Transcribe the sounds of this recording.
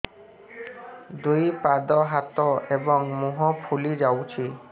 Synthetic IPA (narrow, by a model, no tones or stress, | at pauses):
d̪ujpad̪ɔɦat̪ɔebɔŋmuɦɔpʰulid͡ʒawt͡ʃʰi